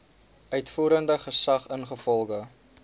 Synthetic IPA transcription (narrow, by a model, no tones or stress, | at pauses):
œɥtfuːɾəndəχəsɐχənχəfɔlˠχə